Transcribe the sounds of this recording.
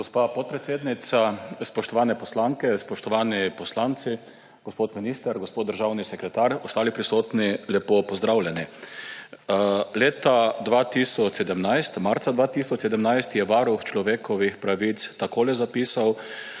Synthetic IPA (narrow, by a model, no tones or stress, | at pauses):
ɡospapɔt̪̚pɾɛt̪seːd̪nit̪saspɔʃt̪ɔʋaːnɛpɔslaŋkɛspɔʃt̪ɔʋaːnipɔslant̪si | ɡ̥ospoːt̪miniːst̪əɾɡospot̪d̪əɾʒawnisɛkɾɛt̪aːɾɔst̪aːlipɾisoːt̪nilɛpopɔzd̪ɾawljɛni | leːt̪ad̪ʋat̪isɔt͡ʃsɛd̪əmnajst̪maɾt̪sad̪ʋaːt̪isɔt͡ʃsɛd̪əmnajst̪jɛʋaːɾuxt͡ʃlɔʋeːkɔʋixpɾaʋit̪st̪akoːlɛzapiːsaw